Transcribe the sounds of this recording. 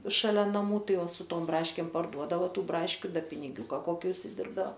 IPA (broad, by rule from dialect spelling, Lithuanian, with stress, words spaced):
ʃɐˈlʲɛ nɐˈmuː ˈtɐɪ sʊ ˈtoːm ˈbrɑːʃʲkʲeːm pɐrˈduɔdɐʋoː ˈtuː ˈbrɑːʃʲkʲʊ ˈdɐ pʲɪnʲɪˈɡʲuːkɐ ˈkoːkʲɪ ʊʃʲsʲɪˈdʲɪrbdɐoː